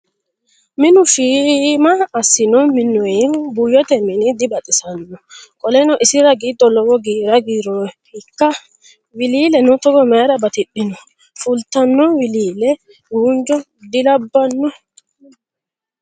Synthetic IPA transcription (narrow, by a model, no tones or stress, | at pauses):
mɪnʊfiːmɐːsːɪnɔmɪnːɔɛbujɔt̪ɛmɪnɪd̪ɪbɐt̪ʼɪsɐnːɔkʼɔlɛnɔʔɪsɪɾɐɡiːd̪ːɔlɔwɔɡiːɾɐɡiːɾɔhɪkːɐ | wɪliːlɛnʊt̪ɔɡɔmɛɾɐbɐt̪ɪɗːɪnɔ | fʊlt̪ɐnːɔwɪliːlɛ | ɡuːnd͡ʒɔ | d̪ɪlɐbːɐnːɔ